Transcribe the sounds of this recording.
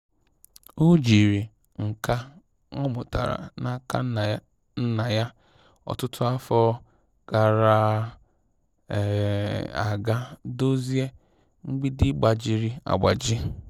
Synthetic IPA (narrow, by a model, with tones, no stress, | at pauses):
u˦d͡ʒi˨ɾi˨ | ŋ̩˨ka˦ | ŋɔ˦mʊ˨ta̰˨ɾa̰˨na˦ka̰˦ | n̩˦na˨ja˦ | ɔ̰˨tʊ˦tʊ˦a˦fɔ˦ | ka˨ɾa˨ | a̰˨ɡa˦do˦zi˦e˦ | ŋ͡m̩˦ɡ͡bi˦dɪ˦ɡ͡ba˨d͡ʒi˨ɾi˨a̰˨ɡ͡ba˨d͡ʒɪ˦